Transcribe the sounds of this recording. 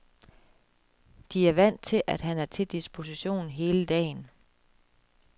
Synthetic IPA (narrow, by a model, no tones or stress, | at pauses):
d̥iæɐʋæn̰t͡sʰe̝lʔæd̥ɦænæɐt͡sʰe̝d̥isb̥ʰo̝siɕo̝̰ːn̩ɦe̝ːləd̥ɛ̰ːn